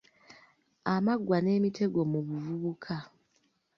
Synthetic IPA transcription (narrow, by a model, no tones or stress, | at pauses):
amaɡwane̞ːmitʰe̞ɡo̞muβuvuβukʰa